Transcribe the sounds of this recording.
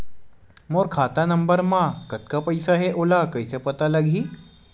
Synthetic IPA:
moɾkʰat̪anəmbəɾmakət̪̚kapəjsaɦeʔolakəjsepət̪alaɡʱiː

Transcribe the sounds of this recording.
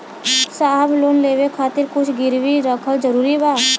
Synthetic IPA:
saːɦbloːnleːʋekʰaːt̪ɪɾkʊt͡ʃʰɡɪɾʋiɾəkʰəld͡ʒəɾuːɾibaː

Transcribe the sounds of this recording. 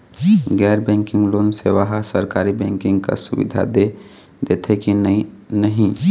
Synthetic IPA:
ɡɛːɾbɛ̃ːŋkɪ̃ŋɡloːnseʋəɦasəɾkaːɾibɛ̃ːŋkɪ̃ŋɡka̰sʊbḭd̪ʱa̰d̪e | d̪eːt̪ʰekinəɦĩ

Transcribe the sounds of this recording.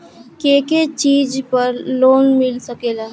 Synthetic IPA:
keket͡ʃiːd͡ʒpəɾloːnmɪlsəkelaː

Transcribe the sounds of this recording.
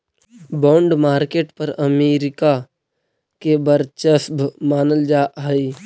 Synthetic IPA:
bɔ̃ːɳɖmaːɾkeːʈpəɾəmeːɾɪka | kebəɾt͡ʃəsbmaːnəld͡ʒaːaiː

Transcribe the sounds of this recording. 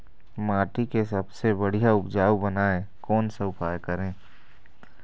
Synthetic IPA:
maːʈikesɐbsebəɽ̤ijaʊpd͡ʒaːwbənaːẽkɔːnsɐʊpaːjkəɾẽː

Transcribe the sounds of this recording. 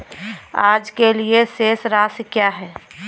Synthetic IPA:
aːd͡ʒkelieseːsɾaːskjaːɦɛː

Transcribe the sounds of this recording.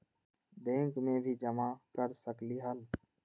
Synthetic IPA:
d̪ẽːŋkmẽːbʱiːd͡ʒəmaːkəɾsəkliːɦəl

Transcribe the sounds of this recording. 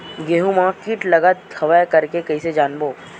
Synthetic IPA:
ɡeːɦumaːkiʈlɐɡət̪̚hɐʋajkɐɾkekɐised͡ʒaːnboː

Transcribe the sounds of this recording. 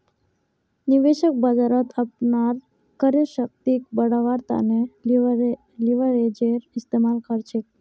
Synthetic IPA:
niʋeɕək̚bad͡zaɾət̪ʰapnaɾ | kəɾjəɕək̚t̪ikbəɽaʋaɾt̪a̰ne | liʋəɾed͡ʑeɾist̪emalkəɾt͡ʃʰe

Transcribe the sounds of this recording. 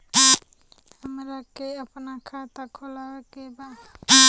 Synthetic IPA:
həmɾakeəpnakʰat̪akʰolawekeba

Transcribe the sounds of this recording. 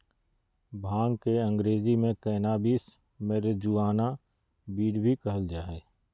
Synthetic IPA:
bʱãːŋɡkeɐ̃ŋɡɾeːzimẽkɛːnaːbiːs | meːɾed͡ʒuaːna | biːɽbʱikɐɦəld͡ʒaːɦɛː

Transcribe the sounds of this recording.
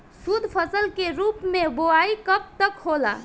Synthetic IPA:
sud̪ʱpʰəsəlkeɾupmeboaikəp̚t̪əkhola̰

